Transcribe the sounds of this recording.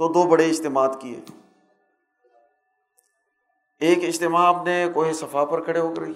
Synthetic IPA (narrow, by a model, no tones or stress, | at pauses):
t̪oːd̪oːbəɽeɪd͡ʒt̪emaːd̪kiḛː | eːkɪd͡ʒt̪ɪmaːpnekoːɦisɐfʰapəɾkʰəɽeɦoːkɾi